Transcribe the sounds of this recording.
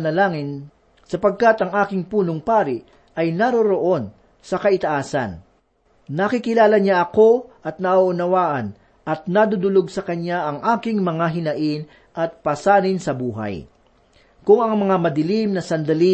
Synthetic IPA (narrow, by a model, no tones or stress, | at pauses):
nɐlaːŋɪn | sɐpɐɡ̚kat̪ɐŋʔaːkɪŋpuːnoŋpaːɾɪʔ | ʔɐjnɐɾoɾoʔo̞n | sɐkɐʔɪt̪ɐʔaːsɐ̰nː | ɐkɪkɪlaːlɐɲaʔɐko̞ʔɐt̪̚nɐʔoʔʊnɐwaːʔɐn | ɐt̪̚nad̪ʊd̪ʊloɡsɐkɐɲaʔɐŋʔaːkɪŋmɐŋaɦɪnɐʔɪn | ʔɐt̪̚pɐsaːnɪnsɐbuːɦa̰j | kʊŋɐŋmɐŋamɐd̪ɪlimnɐsɐnd̪ɐli